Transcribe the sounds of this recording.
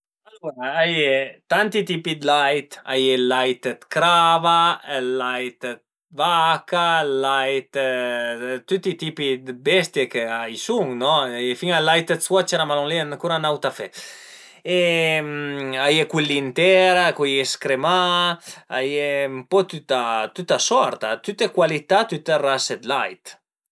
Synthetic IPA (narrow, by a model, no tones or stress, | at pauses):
aluɾaajet̪ant̪it̪ipid̪lajt̪a̰jɛlajt̪t̪kɾavalajt̪ | vakalajt̪ | t̪yt̪it̪ipid̪bɛst̪jekeajsuŋnɔfiŋalːajt̪eswat͡ʃɛɾamaloŋleenkuɾanawt̪afɛ | emajekwilint̪ɛɾakujeskɾema | a̰jeumpɔt̪yt̪at̪yt̪asɔɾt̪at̪yt̪ekwalit̪at̪yt̪erased̪lajt̪